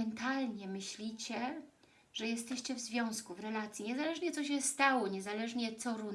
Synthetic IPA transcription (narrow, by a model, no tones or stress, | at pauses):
ɛnt̪alɲɛmɘɕlʲit͡ɕɛ | ʐ̥ɛjɛst̪ɛɕt͡ɕɛvzvʲjɔ̃w̃skuvɾɛlat̪sʲjiɲɛzalɛʐɲɛt̪sɔɕ̬ɛst̪awɔɲɛzalɛʐɲɛt̪sɔɾu